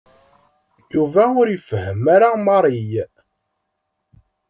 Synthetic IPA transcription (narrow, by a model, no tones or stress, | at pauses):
juvæʊɾjəfəhəmaɾamɑɾˤij